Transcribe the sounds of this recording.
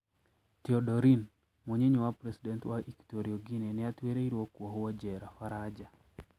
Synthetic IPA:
tɪɔdɔɾin | moɲeɲowapɾɛsidɛntwaiktoɾiɔɡinenɪatweɾeiɾwokwɔɦɔwɔd͡ʒɛɾafaɾad͡ʒa

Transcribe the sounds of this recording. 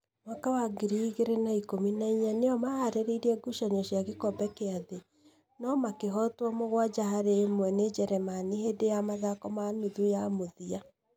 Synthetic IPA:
wakawaɡiɾiɣeɾenaikominaiɲaneɔmahaɾeɾeiɾiɛɡuʃaɲɔʃjaɣekɔbɛkeaðe | nɔmakeɦɔtwɔmoɣwad͡ʒaɦaɾemwɛned͡ʒɛɾɛmanihedejamaðakɔmanuðujamoðia

